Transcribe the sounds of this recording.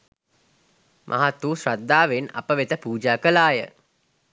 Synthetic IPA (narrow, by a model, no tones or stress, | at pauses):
mʔa̰ɦat̪ːuːsɾad̪ːaːʋena̰pəʋet̪əpuːd͡ʒaːkəlaːjə̰